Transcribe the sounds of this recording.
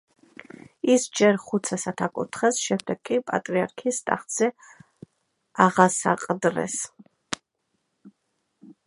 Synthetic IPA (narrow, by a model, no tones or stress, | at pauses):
isd͡ʒɛɾχut̪sʰɛsat̪ʰakʼṵt̪ʰχɛsʃɛmd̪ɛɡkʼːipʼa̰t̪ʼɾiaɾkʰist̪ʼa̰χt̪z̥ɛ | aʁasa̰qʼd̪ɾɛ̰s